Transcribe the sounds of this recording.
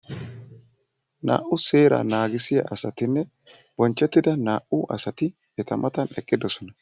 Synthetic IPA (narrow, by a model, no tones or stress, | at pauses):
na̰ːʔʊse̞ːɾa̰ːnaːɡɪsɪja̰ːɐsɐt̪ɪnːɛ | b̥ɔnt͡ʃːɛt̪ːɪd̪ɐnaːʔʊʔɐsɐt̪ɪ | ɛt̪ɐmɐt̪ɐnɛkʼːɪd̪ɔsɔnɐ